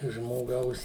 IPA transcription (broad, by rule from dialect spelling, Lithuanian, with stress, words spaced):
ʒmoːˈɡɐʊs